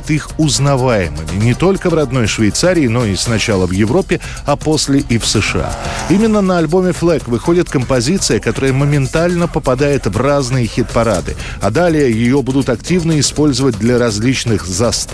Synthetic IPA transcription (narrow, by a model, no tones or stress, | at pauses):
t̪ixʊznɐvajɪmɨmʲɪnʲɪt̪o̞lʲkəvrɐd̪no̞jʂvʲɪjt̪saɾʲɪːno̞ɪsnɐt͡ɕalˠəvjɪvɾo̞pʲːɪ | ɐpo̞sʲlʲɪʔifsɨʂɨa̰imʲɪnːənəɐlʲbo̞mʲɪflˠɛkvɨxo̞dʲɪt̪kəmpɐzʲit̪sɨjəkɐt̪oɾəjəməmʲɪnt̪alʲnəpəpɐd̪ajɪt̪vraznɨjəxʲɪt̪̚pɐɾa̰d̪ɨ̰ɐd̪alʲɪjəjɪjo̞bud̪ʊt̪ɐktʲivnəɪspo̞lʲzəvət̚ʲd̪lʲɐɾɐzʲlʲit͡ɕnɨxzɐst̪